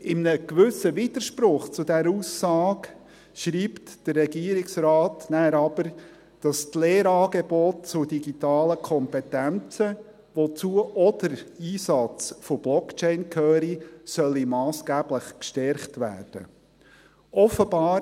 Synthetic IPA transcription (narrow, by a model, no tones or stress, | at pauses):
ɪmnəkʋʏsəʋid̥əɾʃpɾʊχt͡sʊdæɾuːsɑːk | ʃɾiːptd̥ərːɛɡiːɾɪksrɑːtnæːɾɑb̥əɾ | d̥ɑst̪leːɾɑːɡeb̥ɔt̚t͡sʊd̥iɡitɑːləkʰɔmpɛtænt͡sə | ʋot͡suəʔɔdəɾiːsɑt͡sfob̥lɔkt͡ʃɛɪnkʰœːɾisœlːimɑːsɡ̥æb̥ləχkʃtɛɾχtʋæ̰ːrd̥ə̰ | ʔɔfəb̥ɑːɾ